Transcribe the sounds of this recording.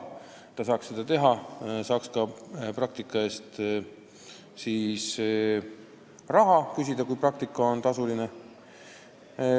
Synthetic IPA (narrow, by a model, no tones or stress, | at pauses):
t̪ɑsɑːkssed̪ɑt̪e̞ɦɑsɑːkskɑprɑkt̪ikˑːɑe̞ːst̪ | siːs | rɑɦɑkysʲid̪̥ɑkujprɑk̚t̪ikˑːɑo̞nt̪ɑsuline